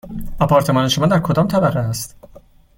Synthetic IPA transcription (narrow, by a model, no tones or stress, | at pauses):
ɒpʰɒːɾt̪ʰe̞mɒːneʃomɒːnd̪æɾkʰo̞d̪ɒːmt̪ʰæbæɾːeæst̪